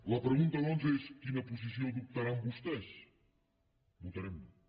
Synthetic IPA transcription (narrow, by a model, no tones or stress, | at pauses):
ləpɾəɣunt̪əlɔnzəeskinəpuzis̬iod̪uk̚t̪ɐɾambust̪ɛʃ | βut̪əɾɛm